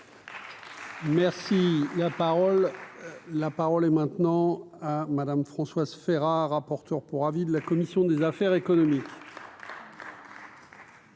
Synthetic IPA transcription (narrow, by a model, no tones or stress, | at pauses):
mɛʁsilapaʁɔlː | apaʁɔlɛmɛ̃t̪nɑ̃ | amad̪amfχɑ̃swazfɛʁaʁapɔʁt̪œʁpuʁavid̪əlakɔmisjɔ̃d̪ezafɛʁekɔnɔmik